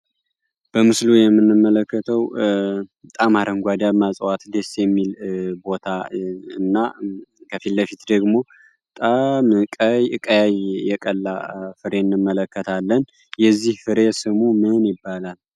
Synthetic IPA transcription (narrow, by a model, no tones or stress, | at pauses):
b̥əmɨslujɛmːɨnːɨmːələkːət̪ʰəw | t̪ʼamaɾəŋɡʷad̪amasʼwat̪d̪esjɛmːilbo̞t̪ʰaɨnːakʰəfilːəfit̪d̪əɡmo̞ | ət̪ʼamkʼəjɨkʼəjajjɛkʼəlːafɨɾenːɨmːələkːət̪ʰalːən | jɛzːihfɨɾesɨmumɨnjɪbːalal